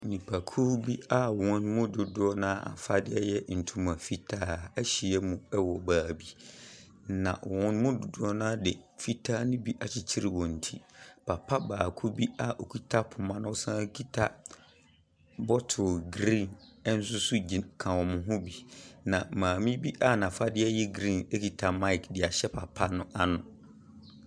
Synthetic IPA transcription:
nĩ˨pʰa˨kʰu˦bi˦a˦˨wɔ̃˦n˦mʊ̃˦dʊ˨dʊ˦ɔ˦nãː˦a̰˨fa˦dɪ˦ɛ˦jɛ˦n̩˨tʰũ˦mã˨fi˦tʰaː˦æ˦ɕi˨ɛ˦mũ˨ɛ˦wɔ˨baː˨bi˦ | nã̰˨wɔ̃˦n˦mʊ̃˦dʊ˨dʊ˦ɔ˦nãː˦dɪ˨fi˦tʰaː˦nʊ̃˦bi˦ʔa˨t͡ɕʰɪ˨t͡ɕʰi˦ɾɪ˨wɔ̃˨n̩˨tʰi˦pʰa˨pʰa˦baː˨kʰu˦bi˦a˨ʔo˨kʰi˦tʰa˦pʰʊ˨mã˦nʊ̃˦sã˦kʰi˦tʰa˦ | bɔ˦tʰʊ˨ɡɾĩ˦˨nɛ˦n̩˦s̬ʊ˦sʊ˦d͡ʑi˨kʰã˨wɔ̃˨mʊ̃˨ɦʊ̃˦bi˨nã˨mãː˨mĩ˦bi˦ʔa˦nã˨fa˦dɪ˦ɛ˦jɛ˦ɡɾĩ˦˨nɛ˦kʰi˨tʰa˨ma˦ɪ˨kdɪ˨a˨ɕɛ˦pʰa˨pʰa˦nʊ̃˦ʔa˦nʊ̃˨

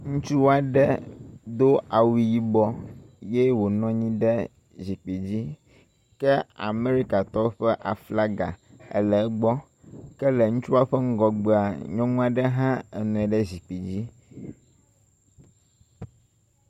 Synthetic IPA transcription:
ŋũ˦t͡ʃu˦wa˦ɖɛ˦d̪o˦a˨wi˨ji˦bɔ˦ | je˦wo˨nɔ̃˦ɲĩ˦ɖɛ˦ | zi˨k͡pi˨d͡ʑi˦ | kɛ˦a̰˨me˦ɾi˦ka˨t̪ɔ˦ɸɛ˦ʔa˨fla˦ɡa˨ɛ̰˨lɛ˨˦ɡ͡bɔ˦ | kɛ˦lɛ˨ŋũ˦t͡ʃu˦a˦ɸɛ˦ŋ̩˦ɡɔ˨ɡ͡be˨a˨ɲɔ̃˦nũ˦a˨ɖɛ˦ɦã˦ɛ˨nɛ̃˨ɖɛ˦zi˨k͡pi˨d͡ʑi˦

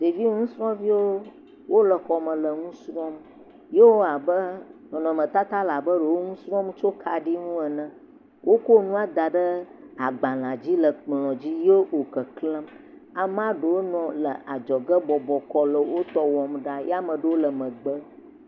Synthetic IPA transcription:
d̪̥e˨vi˦ŋũ˦sɾɔ̃˦vi˦wo˦ | wo˦lə˨xɔ˨mə̃˨lə˨ŋũ˦sɾɔ̃˦m | je˦wo˦a˨bə˦nɔ̃˨nɔ̃˨mə̃˨t̪a˦t̪a˦la˨bə˦ɖə˨wo˦ŋũ˦sɾɔ̃˦mt͡ʃo˦kʰa˨ɖi˦ŋũ˦ə˨nə̃˨ | wʔo˦ko˦nũ˦a˨d̪a˨ɖə˦a˨ɡ͡ba˨l̃ã˨d͡ʑi˦lə˨k͡plɔ̃˨d͡ʑi˦je˦wo˨kə˨klə̃˦m | a˨m˦ã˦ɖə˨wo˦nɔ̃˨lə̰˨ʔa˨d͡ʒɔ˨ɡə˦bɔ˨bɔ˨kɔ˦lə˨wo˦t̪ɔ˦wɔ˨mɖa˦jɛ˦a˦mə̃˨ɖə˨wo˦lə˨mə̃˨ɡ͡bə˦

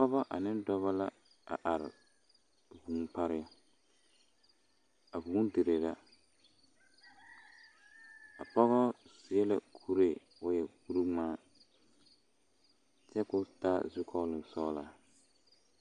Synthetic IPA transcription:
kɔ˦βa˦ʔa˨nɪ˦ndɔ˦βa˦la̰˦ | a̰˨ʔa˨ɾɪ̰˨ | vuː˨˦npa˦ɾɪ˦a˦ | a˨vuː˨˦de˨ɾe˨la˨ | a˨pɔ˦ɣɔ˦sɪ˨ɛ˦la̰˦kʰu˦ɾe˨ | ʊ˦jɛ˨ku˦ɾu˦maː˦ | t͡ʃɛ˦kʊ˦ta˦zʊ˦kʰɔ˦lɪ˨sɔː˦la˨

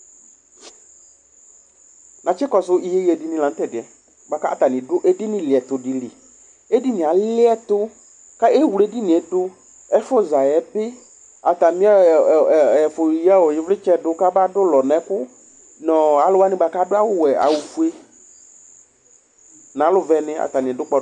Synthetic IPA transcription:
nã˨t͡ʃɪ˦kɔ˨sʊ˦i˨je˦je˨dɪ˦nɪ̃˨lã˨n̩˦tɛ˦˨dɪ˨ɛ˨ | ba˨ka˦a˨t̪a˨nɪ̃˨dʊ˦ʔɛ˦dɪ˦nɪ̃˨lɪ˨ɛ˨t̪ʊ˨dɪ˨lɪ˨ | e˦di˦nɪ̃˨a˨llɪ˦ɛ˦t̪ʊ˦ | ka˦e˦˨wu˨le˦dɪ˦nɪ̃˨ɛ˨tʊ˦ | ɛ˦fʊ˦za˨jɛ˨bɪ˦ | a˨t̪a˨mĩ˦a˦˨ɛ˨fʊ˨ja˦wɔ˨jɪ˨˦vlɪ˦t͡ʃɛ˦dʊ˦ka˦ba˦dʊ˦lɔ˨nɛ̃˨˦kʊ˦ | nɔ̃˨a˨lʊ˦wa˦nɪ̃˦ba˨ka˦dʊ˦a˦wʊ˦wɛ˨a̰˨wu˨fu˦e˦ | nã˨˦lʊ˦vɛ˨nɪ̃˦a̰˨t̪a˨nɪ̃˨ɛ˨dʊ˦k͡pɔ˦

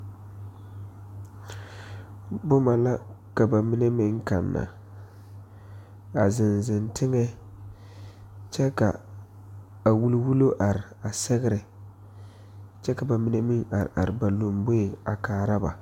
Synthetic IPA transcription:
bʊ˦ma˨la˦ka˨ba˨mi˦ne˦mɪ˦ŋka˨nːa̰˨ | a˨zɪ˨nzɪ˨ntɪ˦ŋɛ˦ | t͡ʃɛ˦ka̰˨ | a˨wu˦lwu˦lo˦ʔa˨ɾɪ˨a˨sɛ˦ɣɪ˦ɾɪ˨ | t͡ʃɛ˦ka˨ba˨mi˦ne˦mɪ˦ŋa˨ɾɪ̰˨ʔa̰˨ɾɪ˨ba˨lo˨mbo˦e˨a̰˨kaː˨ɾa˦ba̰˨

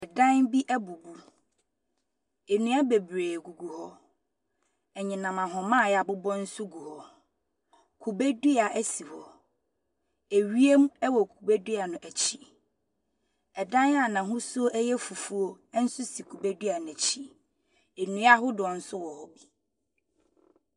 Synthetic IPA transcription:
ɛ˨dã˦nbi˦ʔæ˦bu˨bu˦ | e˨nũ˦a˦be˨bɾeː˨ɡu˨ɡu˨hɔ˦ | ɛ˨ɲɪ̃˨nã˨mã˨ɦɔ̃˨mã˦˨ja˨bʊ˦bɔ̃˦n̩˦sʊ˦ɡu˨hɔ˦ | kʰu˨be˦du˦a˨ʔæ˦si˨hɔ˨ | e˨ɥi˦e˦m˦ɛ˦wɔ˨kʰu˨be˦du˦a˨nʊ̃˨ʔæ˨t͡ɕʰi˦ | ɛ˨dã˦n˦a˦˨nã˨ɦʊ̃˦sʊ˦o˦ʔæ˦jɛ˦fu˨fu˦o˦n̩˦sʊ˦si˨kʰu˨be˦dɥa˨n˨ɛ̃˨t͡ɕʰi˦ | e˨nũ˦a˦ɦʊ˦dʊ˨ɔ˨n̩˦sʊ˦wɔ˨hɔ˦bi˨

